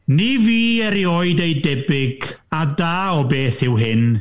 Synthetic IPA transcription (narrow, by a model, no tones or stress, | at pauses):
niviːɛɾioɨdejdɛbɪɡadaːɔbeːθɪwɦɪn